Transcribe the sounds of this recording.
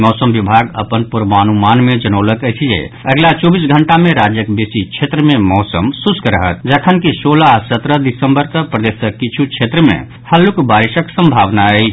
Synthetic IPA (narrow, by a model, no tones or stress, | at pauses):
mɔːsəmbibʱaɡə̰pənpuɾʋanumanmẽd͡ʒənələkət͡ʃʰijḛəɡlat͡ʃɔbis̬ɡʱəɳʈamẽɾad͡ʒjəkbesit͡ʃʰet̪ɾəmemɔːsəmsuskɾəɦə̰t̪̚d͡ʒəkʰənkisolasət̪ɾəd̪isə̃mbəɾk̪əpɾəd̪esəkit͡ʃʰut͡ʃʰet̪ɾəmḛ̃ | həlukbaɾiʃəksə̃mbʱaʋnaɛi